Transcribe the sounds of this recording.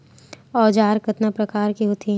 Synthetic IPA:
ɔːd͡ʒaːɾkət̪napɾɐkaːɾkiɦot̪ʰi

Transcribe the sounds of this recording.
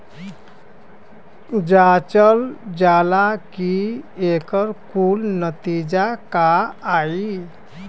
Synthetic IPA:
d͡ʒat͡ʃəld͡ʒalakiekəɾkulnət̪id͡ʒakaːi

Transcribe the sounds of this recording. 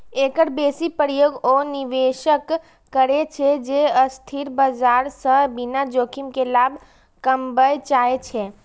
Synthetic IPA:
eːkəʈbeːsipəɾjoːɡoniʋeːʃəkː | əɾet͡ʃʰed͡ʒeəst̪ʰiɾbəd͡ʒaːɾsəbinad͡ʒoːkʰimkelaːbʱ | kəmbəjt͡ʃaːet͡ʃʰe

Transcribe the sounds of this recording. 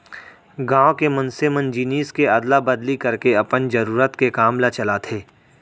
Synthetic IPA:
ɡãːwkemɐ̃nsemənd͡ʒiniːskeɐd̪labɐd̪likɐɾkeɐpənd͡ʒɐɾuːɾət̪kekaːmlat͡ʃɐlat̪ʰeː

